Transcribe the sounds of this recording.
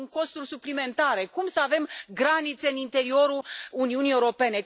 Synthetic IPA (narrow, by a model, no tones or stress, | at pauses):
ŋko̞st̪urʲsuplime̞nt̪aɾe̞kumsəave̞mɡɾanit̪se̞ɨnint̪e̞ɾio̞ɾuluniunieuɾo̞pe̞ne̞